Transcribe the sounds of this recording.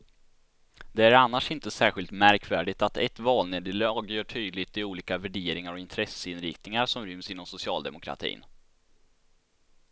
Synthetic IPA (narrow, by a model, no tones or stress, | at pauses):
d̪ɛæɾanːaʂɪnt̪əsæːɧɪlt̪mæɾkʰvæːɖɪt̪at̪ɛt̪vɑːlneːd̪əlɑɑːɡjœːʈʰyːd̪lɪɡt̪ɪuːliːkavæɖeːɾɪŋaɾɔɪnt̪ʰɾɛsəɪnɾɪ̰kt̪nɪŋaɾʂɔmɾʏmsɪnːɔmsʊsɪɑːld̪ɛ̰mʊkʰɾa̰t̪ʰḭːn